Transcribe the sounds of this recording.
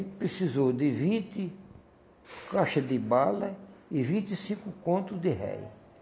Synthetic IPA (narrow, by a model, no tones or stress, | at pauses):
pɾesizowd̪ɪvĩnt̪ɪ | kaʃɐd̪ɪbalɐɪvĩnt̪ɪsĩkʊkõnt̪ʊd̪ɪɦɛ̰j